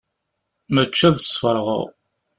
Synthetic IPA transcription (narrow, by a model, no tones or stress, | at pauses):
mæt͡ʃːæðəsfəɾˤʁə̰ʁ